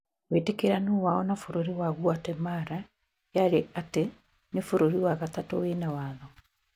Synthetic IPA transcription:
wetekeɾanuːwaɔnafoɾoɾiwaɣuatɛmaɾa | jaɾeate | nefoɾoɾiwaɣatatɔwenawaːðɔ

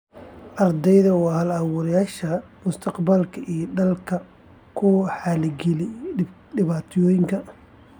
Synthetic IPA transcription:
ʔɐrd̪ɛjðɐwːhɐlɐwʊɾɐjaːʃɐ | mʊst̪ʰɐqbɐlkʰɐʔiːɖɐlkʰɐ | kʰʊħalɪɡɛlɪ | ɖɪβaːt̪ʰjɔːjɪŋkʰɐ

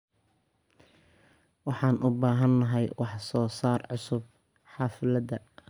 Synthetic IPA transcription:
wɑħɑːnʔʊbaːɦɐnːɐɦɛjwɑħsɔːsaːrʕʊsʊb̚ | ħɑːfɪlɐd̪ɐ

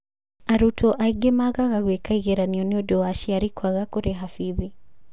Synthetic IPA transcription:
aɾutɔʔaiɡɛmaɣaɣaɣwɛkaiɣɛɾaniɔniɔdɔaʃiaɾikʰwaɣakɔɾɛɦafiði

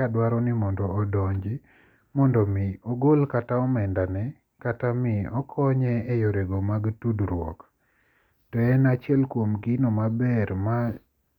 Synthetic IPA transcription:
adwaɾɔnɪmɔndɔːdɔɲd͡ʒi | mɔndɔmɪɔɡolkataɔmɛndanɛ | katamiɔkʰɔɲɛːjoɾeɡomaɡtudɾwɔ̰k | tɔɛnat͡ʃjɛlkwomɡinomabɛɾma

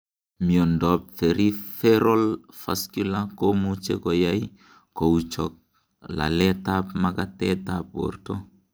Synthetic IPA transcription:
miondop̚feɾifeɾol | fa̰skulakomut͡ʃḛkojai | kout͡ʃok̚ | la̰letapmakatetap̚o̰ɾto

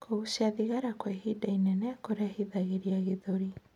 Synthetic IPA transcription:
kʰouʃiaðiɣaɾakwɛɦidainɛnɛakoɾahiðaɣeɾiaɣeðoɾi

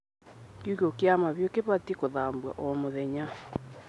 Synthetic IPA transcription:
kuɣokeamaβjokeβatikoðambwa̰ʔɔmoðɛɲa

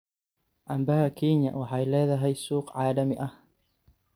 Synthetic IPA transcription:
ʔɐmbahakʰiːɲjɐ̰wɑħɑːɪlɛːðɐɦɛjsuːqʕɑːlɐmɪʔɐh

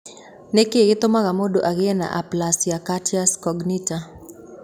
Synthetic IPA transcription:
nekeɡɪt̪omaɣamodoʔaɡeɛna̰ʔaplasijakatiaskɔɡnita

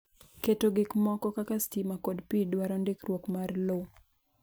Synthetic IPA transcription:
ketoɡɪkmɔkɔkakastimakɔdpidwaɾondɪkɾwokmarlo

